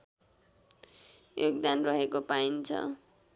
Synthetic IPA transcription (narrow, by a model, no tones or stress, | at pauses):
joɡ̚d̪anrʌɦekopaint͡sʰʌ̰